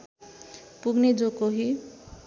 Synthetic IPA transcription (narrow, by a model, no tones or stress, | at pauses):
puɡned͡zokoɦi